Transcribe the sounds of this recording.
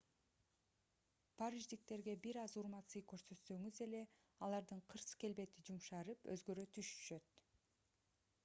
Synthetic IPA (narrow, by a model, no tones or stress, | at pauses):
pʰaɾiʒd̪ik̚t̪e̞ɾɡe̞biɾɑzuɾmɑt̪sɯjkøɾsø̞t̪sø̞ŋyze̞le̞ | ɑlˠɑɾd̪ɯɴqʰɯɾsɯ̥ke̞lbe̞t̪id͡ʒumʃɑɾɯpø̰zɡø̞ɾøt̪ʰyʃy̥ʃø̞t̪